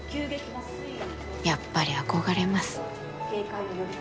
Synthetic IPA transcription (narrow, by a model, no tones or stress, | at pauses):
kʲɨːɡekʲimas | japːaɾʲiako̞ɡaɾe̞masɨ̥ | keːkaioɾo